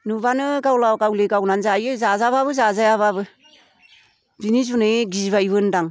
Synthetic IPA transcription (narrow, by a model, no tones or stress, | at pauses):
nubanɯɡawlawkawlekawnanzajɯzazaβaβɯzazajaβaβɯ | binis̬unɯɡizβaiβɯndaŋ